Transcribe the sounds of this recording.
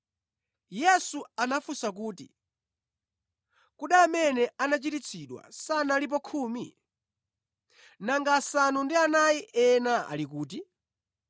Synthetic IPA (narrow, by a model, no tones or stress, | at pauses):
jɛsuanafusak̬uːtḭ | kuɗaːmɛnɛanat͡ʃitit͡sʰiɗwa̰sanalip̬ɔkʰuːmi | naŋɡaːsanundianajiʔɛnaa̰lik̬uːti